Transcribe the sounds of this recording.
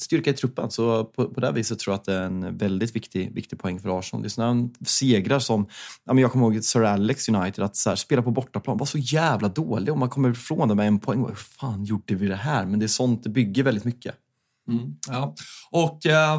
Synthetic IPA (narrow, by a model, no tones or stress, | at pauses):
st̪ʏɾkaɪt̪ʰɾɵpːə̰nsɔpʰɔpʰɔd̪ɛæ̰ɾviːsət̪ʰːɾuːjat̪d̪ɛæɾɛnvɛld̪ɪt̪vɪkt̪ɪvɪ̰kt̪ɪɡ̚pʰɔɛŋːfœɾɑːʂɔnd̪ɛjsɔnæɾseːɡɾaɾʂɔmʔamɛnjɑɡkʰɔmːəhoːɡsœɾalːɛksjɵnajt̪ɪd̪at̪shæːɾspeːlaɾpʰɔbɔʈːaplɑ̰ːnvaʂɔjæːvlad̪oːlɪɡɔmːankʰɔmːəɾfɾoːnd̪ɛmɛɛnːpʰɔɛŋːva̰hʉfaːnjʊɖːəvɪd̪ɛɦæːɾmɛnd̪ɛæʂɔnt̪̚d̪ɛbʏɡːəɾvɛld̪ɪt̪mʏkːə̰ | jɑːʔɔkː